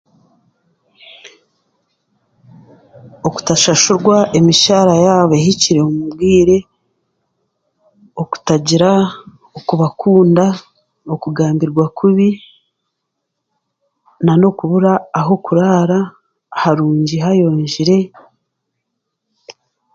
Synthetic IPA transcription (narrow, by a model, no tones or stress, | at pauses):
oku̥taʃaʃuɾɡwaʔemiʃaːɾajaːβeɦiciɾe̞omubɡiːɾe̞ | oku̥taɟiɾa | okuβakuːnda | okuɡaːmbiɾɡwakʰuβi | nano̞kuβuɾaːɦo̞kuɾaːɾa | haɾuːɲɟiɦajo̞ːɲʒiɾe̞